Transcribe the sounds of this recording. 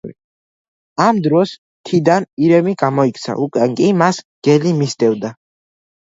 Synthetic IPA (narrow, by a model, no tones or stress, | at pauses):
amd̪ɾɔs | t̪ʰid̪aniɾɛmiɡamɔikʰʼt̪sʰa̰ʔukʼwɛnkʼimasɡ̥ɛlimist̪ʼɛvd̪a